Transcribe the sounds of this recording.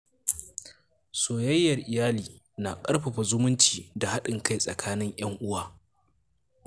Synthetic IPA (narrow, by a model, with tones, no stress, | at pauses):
soː˨jɐ˦jːɐ˨rʔɪ˨jaː˦liː˨ | na˨kʼɐ˦rɸɐ˨ɸa˨zʊ˦mʊ˦nt͡ʃiː˨da˨ha˦ɗɪ˨ŋka˦jsʼɐ̰˨kʰaː˦nɪ˦ŋj̰ɐ˦ŋʔʊ˦waː˦˨